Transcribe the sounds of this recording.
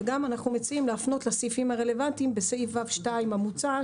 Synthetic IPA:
ɡamanaχnume̞t͡siimleafno̞t̪lasifimaʁe̞le̞vantimbeseifavʃtajmamut͡sa

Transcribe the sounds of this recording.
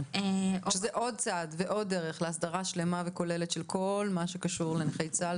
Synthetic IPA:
eʔʃezzeʔo̞d̚t͡sadveʔo̞dːeʁeχleasd̪aʁaʃle̞maveko̞leletʃelkʰo̞lmaʃekaʃuʁleneχejt͡sa

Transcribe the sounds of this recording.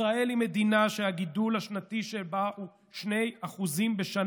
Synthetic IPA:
aelime̞d̪inaʃeaɡidulhaʃnatiʃebau | ʃne̞jaχuzimbeʃan

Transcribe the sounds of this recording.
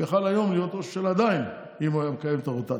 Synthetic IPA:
aχalajo̞mlijo̞t̪oʃʃelad̪ain | imajamekajevt̪aʁot̪a

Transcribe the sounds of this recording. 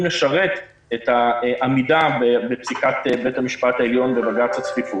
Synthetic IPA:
mleʃaʁe̞t | etaʔamidabebepsikat̪be̞tamiʃpat̪aeljo̞nbevaɡat͡shat͡svifu

